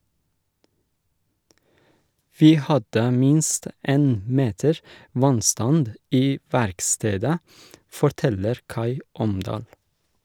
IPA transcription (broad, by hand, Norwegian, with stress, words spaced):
ˈʋiː ˈhɑdə ˈmɪnst ˈeːn ˈmeːtəɹ ˈʋɑnˌstɑnd ˈiː ˈʋæɾkˌsteːdə fɔɾˈtɛləɾ ˈkɑɪ ˈɔmdɑːl